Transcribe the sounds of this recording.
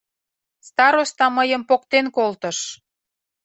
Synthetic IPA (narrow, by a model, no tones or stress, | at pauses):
st̪ɑɾost̪ɑməjəmpokt̪enkolt̪əʃ